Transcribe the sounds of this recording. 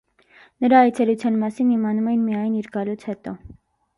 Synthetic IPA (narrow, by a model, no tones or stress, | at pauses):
nəɾɑːjt͡sʰɛɾut͡sʰjɑnmɑsinimɑnumɛjinmijɑjniɾɡɑlut͡sʰhɛt̪ɔ